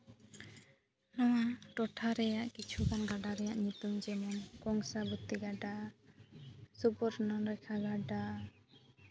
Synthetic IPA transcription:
nɔwaʈɔʈʰaɾɛjaʔkit͡ʃʰukanɡaɖaɾɛjaʔɲut̪umd͡ʒɛmɔnkɔŋsabut̪ːiɡaɖa | subɔɾnɔɾɛkʰaɡaɖa

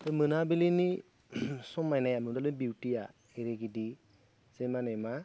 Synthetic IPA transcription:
tɯmɯnabilini | sɔmːajnajamidalɯbiwtija | eɾeɡidi | z̥emanema

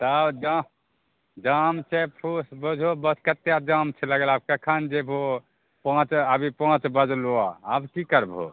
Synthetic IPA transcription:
t̪ɔabd͡ʒa | d͡ʒamt͡ʃʰɛpʰusbod͡ʒʱobəskət̪jad͡ʒãmt͡ʃʰɛləɡəlab̚kakʰand͡ʒebʱo | pãt͡ʃəbʱipãt͡ʃbəd͡ʒʱloaːbkikəɾbʱo̰

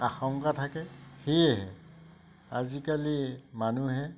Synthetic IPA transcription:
axɔŋkatʰakɛxejɛɦɛ̰ | a̰zikalimanuɦɛ

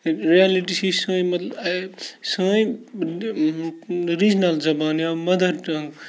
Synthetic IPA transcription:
ɾijaliʈisisə̃ːjmɐt̪l | sə̃j | ɾid͡ʒnɐlzɐbaːnjamɐd̪ʱɐɾʈɐ̃ŋɡ

